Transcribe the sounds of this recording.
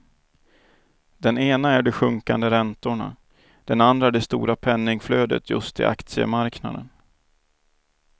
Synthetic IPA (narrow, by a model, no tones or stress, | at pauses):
d̪ɛneːnaæɖɛɧɵŋkand̪əɾɛnt̪ʊɳa̰ | d̪̥ɛnand̪ɾaɖɛst̪ṵːɾapʰɛnːɪŋfløːd̪ə̰t̪ʰjɵ̰st̪ʰɪ̰ʔa̰kt̪sɪə̰maɾkna̰d̪ən